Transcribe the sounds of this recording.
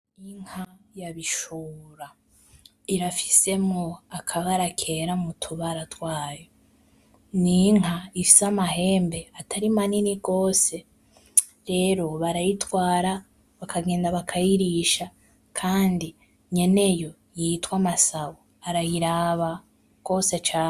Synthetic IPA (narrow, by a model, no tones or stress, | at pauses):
iŋ̥hajaβiʃuːɾa | iɾafi̥se̞mŋoakʰaβaɾakʰe̞ɾamutʰuβaɾatwaːjo | niŋ̥ɦaifi̥samaɦe̞ːmbe̞atʰaɾimaniniɡo̞ːse̞ | ɾe̞ːɾo̞βaɾajitwaːɾa | βakʰaɡe̞ːndaβakʰajiɾiʃa | kʰaːndi | ɲe̞ne̞jo̞ | jitwamasaβo | aɾajiɾaβa | ɡ̥o̞set͡ʃa